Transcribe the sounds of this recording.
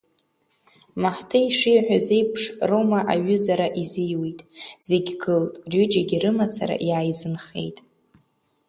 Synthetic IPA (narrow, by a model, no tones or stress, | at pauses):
maħtʰɨiʂijħʷᶣaze̞jpʰʂromaʔaɥʏzaɾaʔizɨjwijtʼz̥e̞ɡʲɡɨltʼrʏd͡ʒaɡʲiɾɨmat͡sʰa̰ɾa̰ʔjaːjzɨnχe̞̰jtʼ